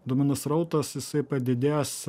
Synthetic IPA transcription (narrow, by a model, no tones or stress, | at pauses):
d̪ʊmʲɪnɐsɾɐʊt̪ɐsjɪsɐɪpɐd̪ʲɪd̪ʲeːs